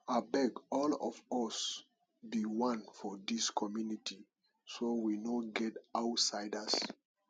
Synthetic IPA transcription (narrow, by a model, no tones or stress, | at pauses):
abɛɡɔlɔ̰vɔs | biwãnfɔd̪iskʰɔmjunitʰi | sowinoɡɛtaʊtsaɪdas